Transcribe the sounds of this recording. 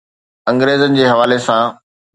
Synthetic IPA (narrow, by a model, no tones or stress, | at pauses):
ɐ̃ŋɡɾeːzənɪ̆d͡ʑeːɦɐʋaːlesã